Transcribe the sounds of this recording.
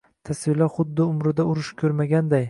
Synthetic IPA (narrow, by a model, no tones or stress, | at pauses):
t̪ʰasvɪlaχʊd̪ːɪʊmɾɪd̪aʊɾɪʃkʲʰɵɾmaɡʲand̪aj